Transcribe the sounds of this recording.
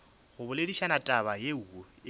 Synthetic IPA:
ɣʊbʊlediʃanatʼabajeuɔ

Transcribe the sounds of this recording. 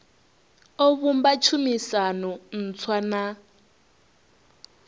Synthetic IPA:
ɔβumbat͡ʃʰumisanɔn̩t͡sʰwana

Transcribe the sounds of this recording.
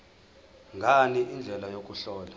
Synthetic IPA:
ŋɡʱaniʔind͡ɮʱɛlajok̬ʼuɬɔːla

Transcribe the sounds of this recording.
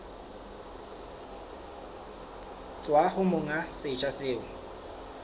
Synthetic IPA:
t͡sʼwahʊmʊŋasɪt͡ʃʼasɪːʊ

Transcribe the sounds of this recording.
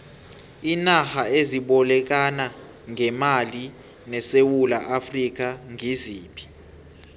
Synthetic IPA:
inahaeziɓɔlɛk̬ana | ŋɛmali | nɛsewula̰ʔafrik̬aŋiziːpʰi̥

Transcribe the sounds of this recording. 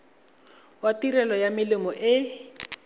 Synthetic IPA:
watirɛlɔjamɪlɪmɔʔɪ

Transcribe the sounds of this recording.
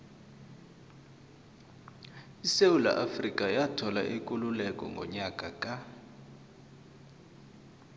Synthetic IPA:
iseula̰ʔafrikʼajatʰɔla̰ʔekʼululɛkʼɔ̰ŋɡʱɔ̰ɲakʼakʼa

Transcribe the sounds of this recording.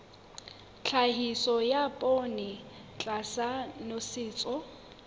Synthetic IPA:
t͡ɬʰaɦisɔjapʼonɪt͡ɬʼasanosɪːt͡sʼɔ

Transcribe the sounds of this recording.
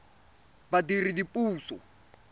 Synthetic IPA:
badiridipʼuːsɔ̰

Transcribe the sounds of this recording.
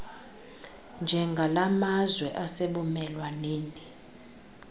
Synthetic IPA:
nd͡ʒʱɛŋɡʱalamazwɛʔaseɓumɛlwaneːni

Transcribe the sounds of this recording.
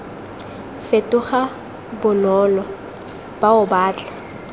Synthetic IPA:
fetʼʊχa | bʊnɔːlɔ | b̥aʊbaːt͡ɬʼḁ

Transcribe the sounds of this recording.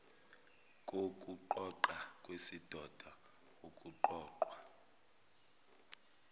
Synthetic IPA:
kʼokʼuǃɔǃakʼwesid̥ʱɔd̥ʱa | okʼuǃɔːǃwa

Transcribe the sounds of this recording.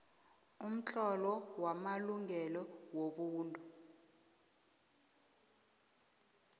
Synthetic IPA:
um̩t͡ɬʼɔlɔwamaluŋɛlɔwoɓuːndʱʼu

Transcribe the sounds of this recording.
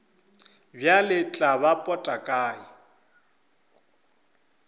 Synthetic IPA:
bjalɪt͡ɬʼabapʼɔtʼakʼaːi

